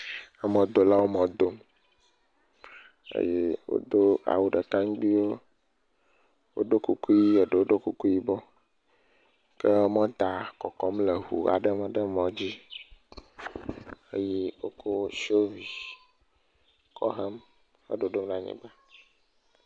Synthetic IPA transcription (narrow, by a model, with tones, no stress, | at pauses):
ɛ˦mɔ̃˨d̪o˨la˦wo˦mɔ̃˨d̪o˦m | ḛ˦je˦wo̰˦d̪o˦a̰˨wu˨ɖə˨ka˦ŋ˦ɡ͡bi˦wo˦ | wo̰˦ɖo˦ku˦ku˦ji˦e˨ɖə˨wo˦ɖo˦ku˦ku˦i˦bɔ˦ | kə˦mɔ̃˦d̪a˨kɔ˨kɔ˦mle˨ɦṵ˨a̰˨ɖə˦m˦ɖə˦mɔ̃˨d͡ʑi˦ | e˦je˦wo˦ko˦ʃo˦vi˨ | kʰɔ̰˦ɦə˦m | xə̰˦ɖo˨ɖo˦mnã˨ɲɛ̰̃˨ɡ͡ba˦